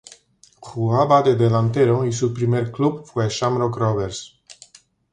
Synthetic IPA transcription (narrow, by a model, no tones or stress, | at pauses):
kʰuabad̪ed̪elant̪eɾois̬upɾimeɾklubfweʃamɾokroveɾs